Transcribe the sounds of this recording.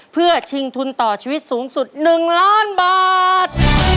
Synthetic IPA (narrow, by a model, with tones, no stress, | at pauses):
pʰɯ˥˩ɐt͡ɕʰi˧ŋt̪ʰu˧nt̪ɔː˨˩t͡ɕʰiː˧wi˦˥t̪̚suː˩˦ŋsu˨˩t̪̚nɯ˨˩ŋlaː˦˥˩nbaː˨˩t̪̚